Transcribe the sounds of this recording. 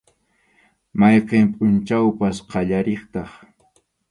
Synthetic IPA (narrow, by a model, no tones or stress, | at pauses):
mɑjqempʼʊnt͡ʃawpasqɑʎaɾeχt̪ɑχ